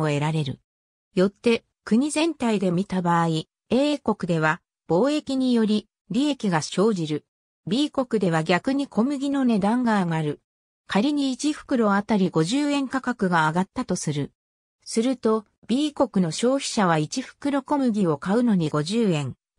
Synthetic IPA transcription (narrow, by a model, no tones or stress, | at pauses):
oe̞ɾaɾe̞ɾɯ̟̰ | jo̞t̪ːe̞ | kɯ̟ɲ̟izẽ̞nt̪aid̪e̞mʲit̪abaːi | e̞ːko̞kɯ̟d̪e̞β̞a | b̥o̞ːe̞kʲiɲ̟ijo̞ɾʲi | ɾʲie̞kʲiɡaɕo̞ːʑiɾɯ̟ | bʲiːko̞kɯ̟d̪e̞β̞aɡʲakɯ̟ɲ̟ikʰo̞mɯ̟ɡʲino̞ne̞d̪ãŋɡaːɡaɾɯ̟ | kʰaɾʲiɲ̟iːt͡ɕiɸɯ̥kɯ̟ɾo̞at̪aɾʲiɡo̞ʑɨːẽ̞ŋkakakɯ̟ɡaːɡat̪ːat̪o̞sɨɾɯ̟ | sɨɾɯ̟t̪o̞ | b̥ʲiːko̞kɯ̟no̞ɕo̞ːçi̥ɕaβ̞ait͡ɕiɸɯ̟̥kɯ̟ɾo̞ko̞mɯ̟ɡʲio̞kaɯ̟no̞ɲ̟iɡo̞ʑɨːẽ̞ŋ